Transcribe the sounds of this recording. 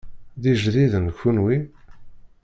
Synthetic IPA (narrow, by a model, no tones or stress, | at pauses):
ðiʒðiðənçunwi